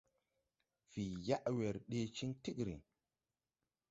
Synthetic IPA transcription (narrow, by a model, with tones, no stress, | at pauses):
fi˨ja˦ʔwe˨ɾɗe˦t͡ʃi˦ŋti˦kɾḭ˨